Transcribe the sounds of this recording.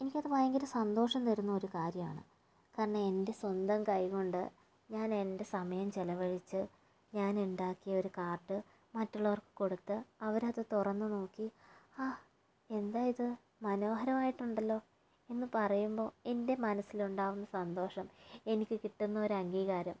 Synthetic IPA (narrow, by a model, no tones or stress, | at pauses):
e̞nikʲːɐðɨpaːjɐŋɡilɨsɐnd̪o̞ːʂɐmt̪ɐɾunːɐo̞ɾukaːɾjɐma̰ːɳɨ̰ | kaːɾɐɳɐe̞nde̞swɐnd̪ɐmkɐjɣuɳɖɨ | ɲaːne̞nde̞sɐmɐjɐmt͡ɕelɐʋɐɻit͡ɕːɨ | ɲaːnuɳɖaːkːijɐo̞ɾukaːrʈːɨ | mɐtːuɭːɐʋɐrkɨ̥ko̞ɽut̪ːɨɐʋɐɾðet̪urɐnːɨno̞ːkːiaː | e̞nd̪aːjɐðɨ | mɐno̞ːɦɐɾɐmaːjiʈːuɳɖɐlːo̞ː | e̞nːɨpɐrɐjumbo̞ːe̞nde̞mɐnɐsːiluɳɖaːʋunːɐsɐnd̪o̞ːʂɐme̞nikʲːɨkiʈːunːɐo̞ɾuɐŋɡiːɣaːɾɐm